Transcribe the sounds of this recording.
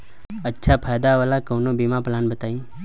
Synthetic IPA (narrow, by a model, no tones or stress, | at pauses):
ətːʃʰapʰaːjd̪aʋalakoːnobimaplaːnbət̪aːĩː